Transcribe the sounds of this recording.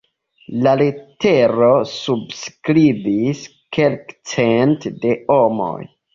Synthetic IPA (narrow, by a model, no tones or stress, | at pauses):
lalete̞ɾosubskɾibis | ke̞lkt͡sentde̞omo̰j